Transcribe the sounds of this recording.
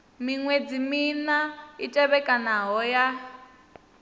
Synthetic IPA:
miŋwed͡ziminaitʼɛβɛkʼanaɦɔja

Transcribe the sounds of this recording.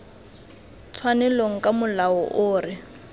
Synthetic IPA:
t͡sʰwanɛloŋ̩kʼamʊlaɔʔʊːɾɪ

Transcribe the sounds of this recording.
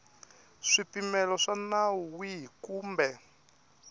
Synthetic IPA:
ʂipimɛlɔʂanawuwiɦikuːmbɛ

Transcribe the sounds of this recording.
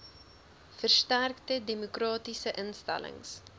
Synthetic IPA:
fərstærktədemokrɑːtisəʔənstæ̰lə̰ŋs

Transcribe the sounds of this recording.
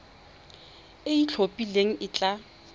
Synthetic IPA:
ɪit͡ɬʰopʼileŋ̩ʔɪt͡ɬʼa

